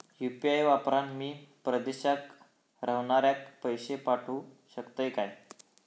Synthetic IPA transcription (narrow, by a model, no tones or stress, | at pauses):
jupiajʋapɾanmiːpɾəd̪eɕak | ɾəʋɳaɾjak̚pəjɕepaʈʰuː | ɕəkt̪əjkaj